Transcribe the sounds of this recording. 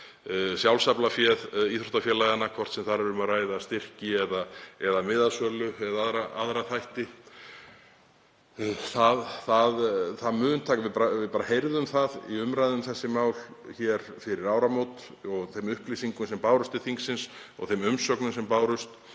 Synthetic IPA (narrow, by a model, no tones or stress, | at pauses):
sjawlsaplafjɛðiθɾɔht̪afjɛlaɣanːakʰvɔr̥t̪sɛmθaɾɛɾʏmaraːjðast̪ɪr̥cɪɛðaɛðamɪðasœlʏɛðaaðɾaa̰ðɾaθajht̪ɪ | θaðθaðθaðmʏːðʏnt̪ʰaːkvɪpaɾavɪpaːɾahejɾðʏmθaðḭʏmɾajðʏmθɛsːɪmaːwl | çɛɾ | fɪɾɪɾaːwɾamowt̪ | ɔɣθemʏhplisiŋkʏmsɛmpaːwɾʏst̪ɪθiŋksɪnsɔ̰ɣθejmʏmsœknʏmsɛmpaːwɾʏst̪